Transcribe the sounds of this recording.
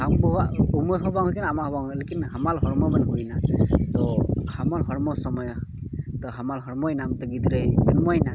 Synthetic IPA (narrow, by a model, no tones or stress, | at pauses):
haŋbɔɦaumɔjɦɔbaŋɦukinamahɔbaŋlekinhamalɦɔɾmɔbanɦujnat̪ɔhamalɦɔɾmɔsɔmɔjt̪ɔɦamalɦɔɾmɔjnamt̪ɯɡid̪ɾebɛnmɔjna